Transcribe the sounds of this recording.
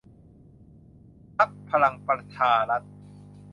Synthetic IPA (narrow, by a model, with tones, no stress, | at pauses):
pʰa˦˥k̚pʰa˧ɾa˧ŋpɾa˧t͡ɕʰaː˧ɾa˦˥t̪̚